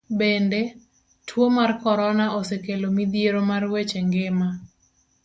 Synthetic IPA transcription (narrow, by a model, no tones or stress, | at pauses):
bende | tʰwomarkɔɾɔnaosekelomid̪ijeɾomarwet͡ʃeŋɡema